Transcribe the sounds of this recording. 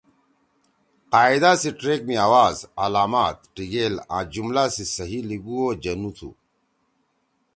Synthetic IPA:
qaːid̪aːsiʈɾeːk̚miaːwaːzalaːmaːt̪ʈiɡeːlã̰ːd͡ʑumlaːsisɐɦiliɡuoːd͡ʑɐnut̪ʰṵ

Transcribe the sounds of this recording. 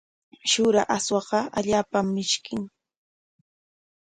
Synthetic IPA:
ʃʊɾaʔaswɑɢɑaʎaːpamːɪʃkɪŋ

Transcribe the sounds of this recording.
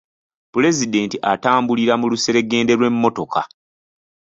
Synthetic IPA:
pule̞zide̞ːntiʔataːmbuliɾamuluse̞ɾe̞ɡe̞ːnde̞lwe̞mːo̞to̞ka̰

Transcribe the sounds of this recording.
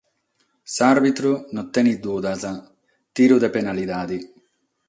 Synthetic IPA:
saɾbit̪ɾunɔt̪ːenid̪uːd̪aza | t̪iːɾud̪epenalid̪aːd̪i

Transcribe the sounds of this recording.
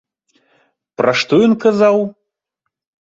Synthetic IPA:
pɾʔɐʂt̪ɔjɔnkɐzaw

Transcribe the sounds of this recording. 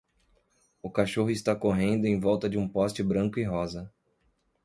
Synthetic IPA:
ʊkaʃoɦʊist̪akoɦẽnd̪ʊẽj̃vɔwt̪ɐd͡ʒɪũpɔst͡ʃɪbɾɐ̃kʊiɦɔzɐ

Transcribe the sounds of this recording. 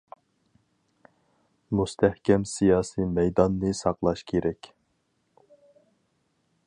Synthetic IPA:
must̪ʰæhkʲɛmsijɑːsimɛjd̪ɑnːɨsɑqlˠɑʃkʲʰeɾɛkʲ

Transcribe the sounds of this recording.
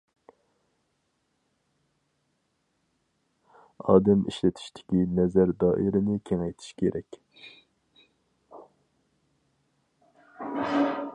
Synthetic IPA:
ɑːd̪ɛmiʃlɪt̪ʰi̥ʃt̪ʰɪ̥kʲinɛzæɾd̪ɑːʔiɾɪnɪkʲʰeŋɛjt̪ʰi̥ʃkʲʰeɾʔɛkʲ

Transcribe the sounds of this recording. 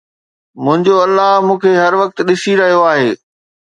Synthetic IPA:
mʊ̃ɦɪ̃ɲd͡ʑoɐlːaɦmũːkʰeɦɐɾʋɐk̚t̪ɗɪsiɾɐɦijoaːɦeː

